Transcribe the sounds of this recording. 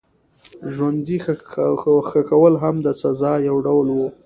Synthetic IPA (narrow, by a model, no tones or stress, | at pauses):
ʒwand̪ix | xəkawəlɦamd̪əsazɑjawɖawlwu